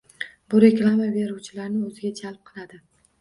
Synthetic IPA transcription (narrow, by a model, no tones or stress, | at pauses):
bʊɾe̞klˠamabe̞ɾuwt͡ʃʰɪlaɾnɪɵzɪɡʲad͡ʒalˠp̚qʰɨlˠad̪ɪ